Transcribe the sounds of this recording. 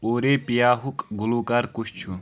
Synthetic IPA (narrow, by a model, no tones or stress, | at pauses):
oːɾepijaːɦukɡuluːkaːɾkut͡ʃʰt͡ʃʰu